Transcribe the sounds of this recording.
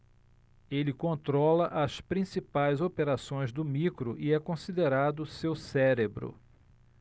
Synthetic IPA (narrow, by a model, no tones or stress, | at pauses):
elɪkõnt̪ɾɔlɐʔɐspɾĩsipajzopeɾasõj̃zd̪ʊmikɾʊʔiɛkõsid̪eɾad̪ʊsewsɛɾebɾʊ̰